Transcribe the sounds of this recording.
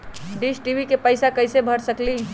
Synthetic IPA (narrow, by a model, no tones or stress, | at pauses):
ɖisʈibʱikepəɪsakəjsebʱəɾsəkli